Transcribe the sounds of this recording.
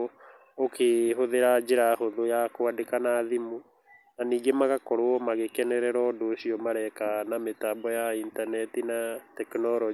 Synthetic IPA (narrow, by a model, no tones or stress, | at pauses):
okʰeɦoðeɾad͡ʒeɾahoðojakoadekanaːðimu | naniːɡemaɣakɔɾoɔmaɣekɛnɛɾɛɾɔːdoːɕiɔmaɾɛkanametaːbɔjaintanɛtinatɛknɔɾɔ